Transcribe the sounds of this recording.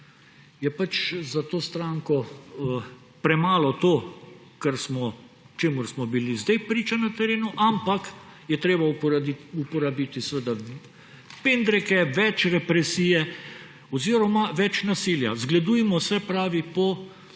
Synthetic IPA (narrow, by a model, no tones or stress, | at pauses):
jɛpat͡ʃzat̪oːst̪ɾaːŋkɔ | pɾɛmaːlɔt̪oː | kɛɾsmɔ | t͡ʃeːmʊɾsmɔbilizd̪ɛjpɾiːt͡ʃanat̪ɛɾeːnuʔampakjɛt̪ɾeːbaupɔɾabiːt̪isʋəd̪a | peːnd̪ɾɛkɛʋɛt͡ʃɾɛpɾɛsiːjɛ | ɔziːɾɔmaʋɛt͡ʃnasilja̰zɡlɛd̪uːjɛmɔsɛpɾaːʋipɔ